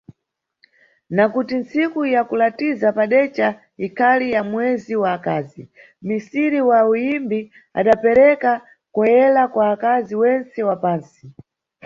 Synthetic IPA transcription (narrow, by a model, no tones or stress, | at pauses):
nakutinsikujakulatizapaɗɛt͡ʃa | ikʰalijamwɛziwaːkaːzi | misiɾiwaujimbi | a̰ɗapɛɾɛka | kɔjɛlakwaːkaziwɛnt͡sɛwapaːnsi